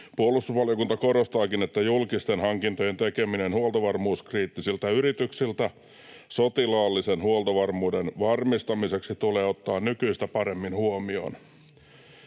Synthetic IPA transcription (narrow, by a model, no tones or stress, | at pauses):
puolːˑust̪usʋɑljokunt̪ɑkorost̪ɑːkinet̪ːæjulkist̪enhɑŋkint̪oje̞nt̪ekeminenhuolt̪oʋɑrmuːskriːt̪ːisilt̪æyrit̪yksilt̪æ | sot̪ilɑːlːisenhuolt̪oʋɑrmuːdenʋɑrmist̪ɑmiseksit̪uleːot̪ːɑːnnykyist̪æpɑɾe̞mːinhuomio̰ːn